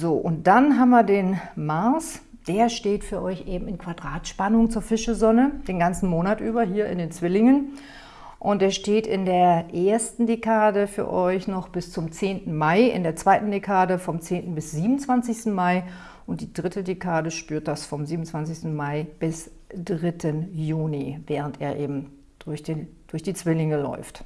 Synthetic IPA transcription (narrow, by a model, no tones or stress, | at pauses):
zoːʔʊnt̚d̥anɦaːbmviːɐdeːnmaɐs | d̥eːɐʃteːtfyːɐʔɔʏçʔeːbm̩ɪnkv̥adʁaːtʃpanʊŋt͡suːɐfɪʃəzɔnəd̥eːnɡant͡sn̩moːnatʔyːbɐɦiːɐʔɪ̰ndeːnt͡sv̥ɪlɪŋən | ʔʊnt̚d̥eːɐʃteːtɪ̰ndeːɐʔeːɐstn̩dekʰaːdəfyːɐʔɔʏçnɔχb̥ɪst͡sʊmt͡seːntn̩maɪɪ̰ndeːɐt͡sv̥aɪtn̩dekʰaːdəfɔmt͡seːntn̩bɪsz̥iːbmʊnt͡sv̥ant͡sɪçstn̩maɪ | ʔʊntd̥iːdʁɪtədekʰaːdəʃpyːɐt̚d̥asfɔmziːbmn̩t͡sv̥ant͡sɪçstn̩maɪb̥ɪs | d̥ʁɪtʰənjuːnivɛːʁ̞əntʔḛːɐʔeːbm̩ | d̥ʊɐçd̥ed̥ʊɐçd̥iːt͡sv̥ɪlɪŋəlɔ̰ʏft